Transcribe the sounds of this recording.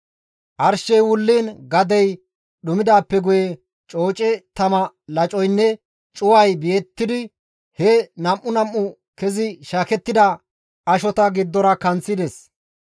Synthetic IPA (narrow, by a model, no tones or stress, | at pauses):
ʔɐɾʃɛjwʊlːiːnɡɐd̪ɛj | ɗʊmɪd̪aːpːɛɡʊjɛ | t͡ʃʼo̞ːt͡ʃʼɛt̪ɐmɐ | lɐt͡ʃʼɔjnːɛ | t͡ʃʼʊwɐjbɪjɛt̪ːɪd̪ɪ | hɛnɐmʔʊnɐmːʊ | kɛzɪʃaːkɛt̪ːɪd̪ɐ | ʔɐʃɔt̪ɐɡɪd̪ːɔɾɐkɐnt͡sːɪd̪ɛs